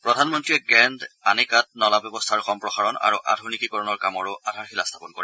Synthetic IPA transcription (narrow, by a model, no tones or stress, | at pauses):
pɹɔdʱanmɔntɹiɛɡɛnda̰nikat̚nɔlabjɔbɔstʰaɹxɔmpɹɔxaɹɔna̰ɹuʔa̰dʱunikikɔɹɔnɔɹkamɔɹʊʔadʱaɹxilast̪ʰḁpɔnkɔ̰ɹɛ